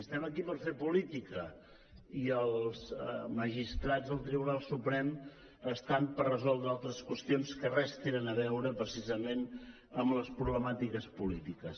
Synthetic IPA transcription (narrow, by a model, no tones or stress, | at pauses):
əst̪ɛməkipəɾfepulit̪ikə | iəlˠzməʒist̪ɾad͡zzðəlˠt̪ɾiβunalˠsupɾɛm | əst̪ampərrəzɔlˠd̪ɾəalˠt̪ɾəskwəst̪ionskərɛst̪enənəβɛwɾəpɾəsizəmen | əmləspɾuβləmat̪ikəspulit̪ikəs